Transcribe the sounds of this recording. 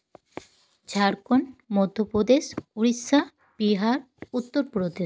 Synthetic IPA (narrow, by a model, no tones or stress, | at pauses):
d͡ʑʱaɾkonmɔd̪ʱːopɾod̪eʃuɾisa | b̥iɦaɾ | ut̪ːoɾpɾod̪e